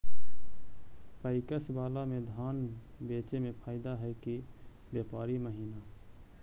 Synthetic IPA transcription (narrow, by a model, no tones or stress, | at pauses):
pəɪkəsbaːlamẽd̪ʱaːnbeːt͡ʃemẽpʰaːɪd̪aɦɛki | bjeːpaːɾiməɦiːnaː